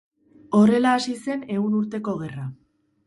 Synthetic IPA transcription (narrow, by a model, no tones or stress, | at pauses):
o̞ɾe̞laːsise̞ne̞unuɾt̪e̞ko̞ɣ̞e̞ra